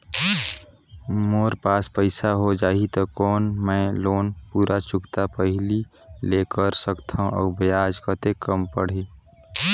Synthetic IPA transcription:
moːɾpaːspəɪsaɦod͡ʒaːɦit̪okɔːnmɛ̃ːloːnpuːɾʔat͡ʃʊkt̪apəɦɪli | leːkəɾsəkt̪ʰãʔɔ̰ːbejaːd͡ʒkət̪ekəmpəɽ̤eː

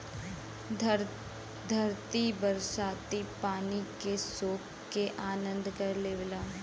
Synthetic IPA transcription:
d̪ʱɐɾt̪ibɐɾsaːt̪ipaːnikesoːk | keʔaːnə̃nd̪kɐɾleːʋlã

